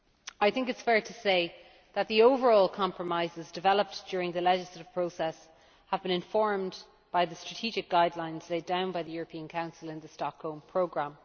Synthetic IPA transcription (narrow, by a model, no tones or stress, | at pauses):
aɪθɪ̃ŋkɪtsfɛɹtʰəseɪ | ðət̪̚ðioʊvə˞ɔːlˠkʰɑ̃mpʰɹəmaɪzɪzdɪvɛləp̚d̥ɔːɹɪ̃ŋðəlɛd͡ʒɪslətɪv̥pʰɹ̥oʊsɛs | həvbɪ̃ñɪ̃ɱfɔɹm | b̥aɪðəstɹ̥ətʰiːd͡ʒɪk̚ɡ̥aɪdˡlãɪ̃nz̥leɪdãʊ̃nbaɪðəjʊːɹəpʰĩə̃nkʰãʊ̃nsəlɪ̃nðəstɑkhõʊlˠmpʰɹ̥oʊɡɹãm